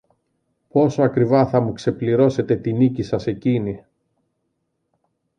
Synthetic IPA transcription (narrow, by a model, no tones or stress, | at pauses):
po̞so̞ɐkɾivɐθɐmukse̞pliɾo̞se̞t̪e̞t̪inicisɐse̞cini